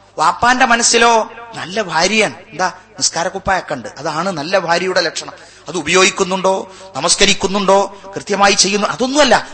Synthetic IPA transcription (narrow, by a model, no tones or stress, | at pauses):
ʋaːpːaːnde̞mɐnɐsːilo̞ːnɐlːɐbʱaːɾjɐjaːɳɨend̪aː | niskaːɾɐkːupːajekːɐɳɖɨʔɐðaːɳɨnɐlːɐbʱaːɾjɐjuɽe̞lekʂɐɳɐm | ɐðɨubɐjo̞ːɡikʲːunːuɳɖo̞ːnɐmɐskɐɾikʲːunːuɳɖo̞ːkrɨt̪jɐmaːjit͡ɕːe̞jːunːuʔɐðonːumɐlːɐ